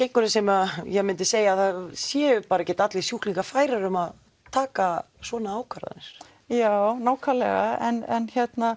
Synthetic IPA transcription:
cejŋkʏɾɪsɛmajɛɣmɪnt̪ɪseːjaðaðsjɛpaːɾacɛːt̪at̪lisjuhkliŋkafaːjɾaɾʏmað | t̪ʰaːka | svɔːnaaːwkʰaɾa̰ðɪ̰ns | jaːwnaːwkʰalɛɣa̰ɛ̰nɛ̰nçɛt̪na

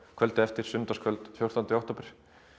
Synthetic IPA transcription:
kʰvœlt̪ɪɛft̪ɪɾ̥sʏnt̪askʰœlt̪fjowr̥t̪ʰant̪ɪawht̪ɔːpɪɾ̥

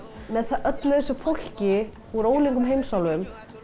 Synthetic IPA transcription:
mɛðθaʔœt̪lœsʏfowl̥cɪ | uɾoːwliŋkʏmɦejmsawlvʏm

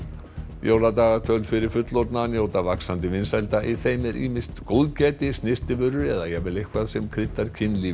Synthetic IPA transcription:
joːwlat̪aːɣat̪ʰœlfɪɾɪɾ̥fʏt̪loɾt̪nanjoːwt̪avaksant̪ɪvɪnsɛlt̪aʔiθejmɛɾʔḭːmɪst̪kowðcɛːt̪ɪsnɪst̪ɪvʏɾːʏɛðajɛɣvɛlejhkʰvaðsɛmkʰɾɪt̪ːaɾ̥cʰɪnli

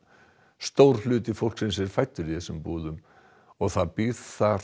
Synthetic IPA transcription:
st̪owɾ̥lʏːt̪ɪfowl̥ksɛns̬ɛɾ̥fajt̪ːʏɾiθɛsʏmpuːðʏm | ɔɣθaðpiðθa

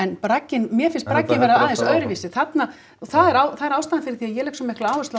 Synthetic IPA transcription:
ɛnpɾacːɪnmjɛfɪnst̪̚pɾacːɪnvɛːɾaðaðɛnsœɾvisɪθat̪na | ɔθaðɛɾaːwθaðɛɾawst̪anfɪɾɪ̥ɾ̥θiajɛlɛhksɔmːɛhklaaːwʏst̪a

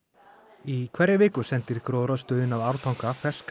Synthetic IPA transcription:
ikʰvɛɾɪvɪːkʏsɛnt̪ɪɾ̥kɾoːðɾœst̪œːðɪnavaɾ̥t̪ʰawŋkafɛsk

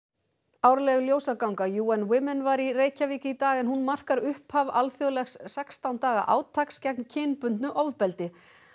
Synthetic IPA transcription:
aːwɾlɛɣljoːwsakawŋkajuːanwɪmɛnvaɾireːjcaviːcɪit̪aːɣɛnɦunmar̥kaɾʏhphavalθjɔlɛxsːɛkst̪awnt̪aːɣa̰ʔa̰ːwt̪ʰakscɛkncʰɪːnpʏnt̪nʏʔɔvpɛlt̪ɪ

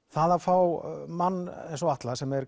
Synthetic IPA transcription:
θaðafawmanːɛensɔaht̪lasɛmɛɾ

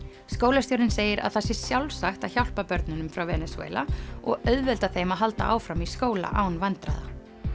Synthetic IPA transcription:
skoːwlast̪jowɾɪnseːjɪɾa̰ðθasːɪ̥sjawlsaxt̪açawl̥papœɾt̪nʏnʏmfɾawvɛnɛswḛːla̰ɔ̰ɣœðvɛlt̪aθejmaɦalt̪a̰ʔaːwfɾamiskoːwla̰ʔaːwnvant̪ɾa̰ða̰

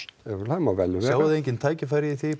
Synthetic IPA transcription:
t̪ɛvlamavɛlːʏvaːwðɪejɲcɪnt̪ʰaːjcɪfaːɾɪiθi

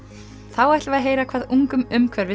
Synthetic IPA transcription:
θawɛjht̪vaðɦeːjɾakʰvaːðuŋkʏmʏmkʰvɛɾvɪ

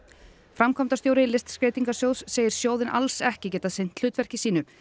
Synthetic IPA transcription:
fɾamkʰɔmt̪ast̪joːwɾɪlɪst̪skɾejt̪iŋkasjowðsːeːjɪɾ̥sjoːwðɪnʔa̰lsɛhcɪcɛːt̪asejn̥t̪l̥ʏːt̪vɛr̥cɪsiːnʏ

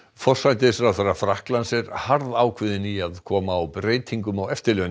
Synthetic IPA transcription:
fɔr̥sajnt̪ɪsɾaθarːafɾahklansɛɾhaɾðaːwkʰvɪðɪniaðkʰɔːmaːwpɾeːjt̪ʰiŋkʏmawɛft̪ɪɾlœːn

